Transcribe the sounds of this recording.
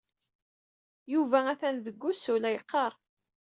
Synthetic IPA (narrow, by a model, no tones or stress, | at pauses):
juvææθænðəɡʷːusulæjəqːɑɾˤ